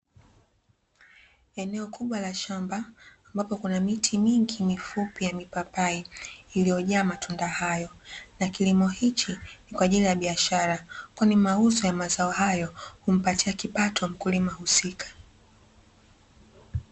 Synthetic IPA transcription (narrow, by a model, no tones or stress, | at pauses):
ɛnɛɔkuɓwalaʃambaː | mbapɔkunamitʰimiŋɡimifupijamipapaiːlijɔʄaːmatundahajɔnakilimɔhit͡ʃinikwaːʄilijaɓiaʃaɾakwanimauzɔjamazaɔhajɔhum̩patiakipatɔm̩kulimahusikʰḁ